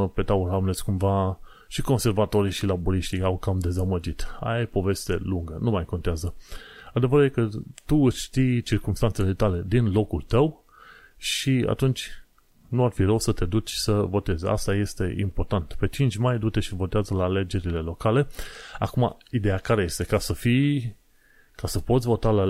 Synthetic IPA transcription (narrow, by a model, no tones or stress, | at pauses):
pe̞t̪auɾamlesʲkumva | ʃiko̞nse̞rvat̪o̞ɾiʃilaboɾiʃt̪iawkamd̪e̞zaməd͡ʒit̪a̰jpo̞ve̞st̪e̞̰luŋɡənumajko̞nt̪eazəad̪e̞vəɾjekət̪uɨʃʃt̪ijt͡ʃirkumst̪antse̞le̞t̪ale̞d̪inlo̞kult̪əw | ʃia̰t̪unt͡ʃʲ | nuarfirəwsət̪e̞d̪ut͡ʃʲsəvo̞t̪e̞za̰st̪aje̞st̪e̞ʔḭmpo̞rt̪ant̪pe̞t͡ʃint͡ʃʲmajd̪ut̪e̞ʃivo̞t̪eazəlaːle̞d͡ʒe̞ɾile̞lo̞kale̞a̰kuma̰id̪e̞jakaɾe̞je̞st̪e̞kasəfi | kasəpo̞t̪sʲvo̞t̪ala